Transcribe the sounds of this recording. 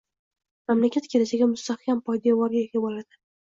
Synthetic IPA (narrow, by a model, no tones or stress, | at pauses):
mamlakʲat̪kʲʰe̞lɪsɪɡʲamʊst̪ahkʲʰampʰɒjd̪ijawɒɾɡʲajekʲɪbolad̪̥ɪ